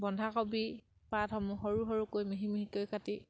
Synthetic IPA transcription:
bɔndʱakɔbi | patɦɔmuɦɔɹuɦɔɹukojmiɦimiɦikojkati

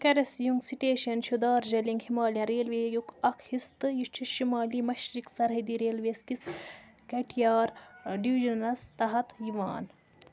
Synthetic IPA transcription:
kɐɾɐsjuŋɡsiʈeːʃɐnʃud̪aːɾd͡ʒɐliŋɡhimaːlʲjɐ̃ɾeːlʋeːjukɐkʰhist̪ɨjiʃt͡ʃʰuʃimaːlimɐʃɾiksɐɾɦɐd̪iɾeːlʋeːskis | kɐʈʰijaːɾɖiʋiʒɐnɐst̪ɐɦɐt̪jiʋa̰ːn

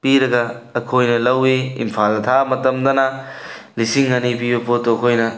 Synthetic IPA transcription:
piɾɐɡɐːkʰojnɐlɐwiḭmpʰalɐt̪ʰamɐtɐmd̪ɐnɐ | lisiŋːanip̬ibɐpotoɐkʰojnɐ

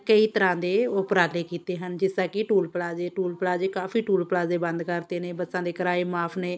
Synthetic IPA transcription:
kəiːt̪əɾãːd̪eːoːpɾaːleːkiːt̪eːɦənd͡ʒɪsaːkɪʈuːlpəlaːzeːʈuːlpəlaːd͡ʒeːkaːfiːʈuːlpəlaːzeːbənd̪kəɾd̪eːneːbəsãːd̪eːkəɾaːeːmaːpʰneː

